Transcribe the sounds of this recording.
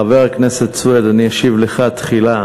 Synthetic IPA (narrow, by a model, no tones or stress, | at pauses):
aveʁakneset̪swed̪anijaʃivleχat̪χila